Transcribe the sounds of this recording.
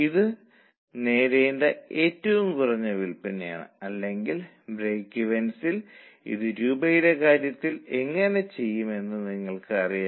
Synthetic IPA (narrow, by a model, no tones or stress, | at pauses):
iðɨ | ne̞ːɾejɳɖeeːtːɐʋumkurɐɲːɐʋilpineja̰ːɳɨ̰ɐlːe̞ŋɡil | breːkːiʋensilḭðɨɾuːbɐjiɾe̞kaːɾjɐt̪ːile̞ŋːɐne̞t͡ɕe̞jːume̞nːɨniŋːɐɭkɨɐrija